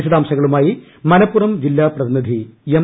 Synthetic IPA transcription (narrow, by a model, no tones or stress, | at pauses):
iɕɐd̪aːmsɐɣɐɭumaːji | mɐnɐpːurɐmd͡ʑilːaːprɐðinid̪ʱijem